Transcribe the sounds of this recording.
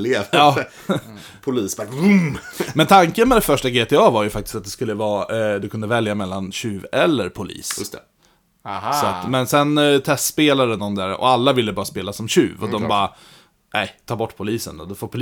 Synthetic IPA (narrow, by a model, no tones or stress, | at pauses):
leːvɑː | pʰʊliːsbɑmmɛnt̪ʰaŋkənmɛd̪ɛfœʂʈaɡeːt̪ʰɛɑːvaɾjɵfak̚t̪ɪ̥st̪at̪d̪ɛskɵlːəvɑːd̪ɵkʰɵnd̪əvɛljamɛlːanɕʉ̟ːvɛlːəɾpʰʊlḭːsjst̪ | sat̪mɛnsɛnt̪ʰɛst̪speːlad̪əd̪ɔmd̪æːɾɔ̰alːavɪlːəbɑːɾaspeːlasɔmɕʉ̟̰ːvɔd̪ɔmbɑːɾa | nʔæɪt̪ʰɑːɾbɔʈːpʰʊliːsə̰nd̪ɔ̰d̪ɵfoːɾpʰʊl